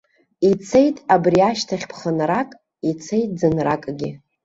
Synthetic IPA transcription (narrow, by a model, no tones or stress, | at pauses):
it͡sʰe̞jtʼabriaʃtʰaχʲpʰχənrakʼ | it͡sʰe̞jt̚ʼd͡zɨnrakʼɡʲɪ